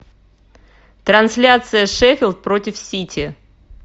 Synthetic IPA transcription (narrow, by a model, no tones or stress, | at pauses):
t̪ɾɐnsʲlʲat̪sɨjəʂɛfʲɪlʲˠt̪̚pɾotʲɪfsʲitʲʰɪ